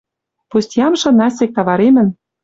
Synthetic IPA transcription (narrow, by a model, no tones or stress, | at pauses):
pust̪ʲjɑmʃɤ̆nɑsʲek̚t̪ɑβɑɾemɘ̆n